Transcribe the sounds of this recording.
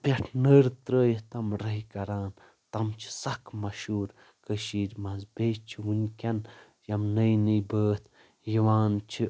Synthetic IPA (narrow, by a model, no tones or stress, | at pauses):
pʲɐʈʰnəːɾt̪ɾəːjit̪ɐmɾɐɦikɐɾaːn | t̪ɐmt͡ʃʰi̥sɐkmɐʃuːɾ | kəʃiːɾʲmɐzbeːt͡ʃʰiʋunkʲɐn | jɐmnɐjnibəːt̪ʰ | jiʋaːnt͡ʃʰi